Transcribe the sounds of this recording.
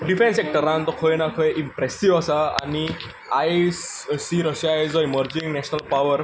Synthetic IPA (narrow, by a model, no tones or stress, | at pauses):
ɖifẽnsɛk̚ʈəɾãnt̪ɔkʰɔjnakʰɔjʔimpɾɛsiʋasaa̰ni | ajssiɾəɕajd͡zɔiməɾd͡ʑĩŋɡnɛɕnəlpaʋəɾ